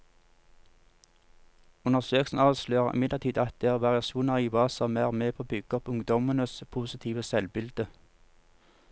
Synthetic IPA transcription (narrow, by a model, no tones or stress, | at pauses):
ʉnəʁsøːklsn̩ɑːʋsløːʁɪ̰mɪd̪ləʁt̪iːd̪ɑt̪̚d̪eːæʁʋɑʁɪɑʃuːnɑʁiːbɑːsɑmæːʁmeːpʰoːbʏɡ̥əɔpʊŋd̪ɔmənəspʰuːsɪt̪ʰiːʋəsɛlbɪld̪ə